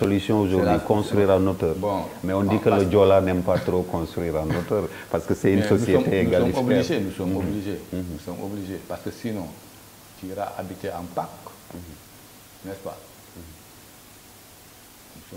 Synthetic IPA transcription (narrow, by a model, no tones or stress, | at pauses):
solysjɔ̃oʒodikɔ̃st̪ɾiːɾanotəɾbɔ̃mɛɔ̃ndikələd͡ʒolanɛmpat̪ɾokɔ̃st̪ɾiːɾanotəɾpaɾskəsɛynsosijemteenɡalɔifobiʒenusɔmobliʒeusɔmobliʒepaɾskəsinɔ̃ | tiɾaʔabiteãpak | nɛspa̰ | nuɔ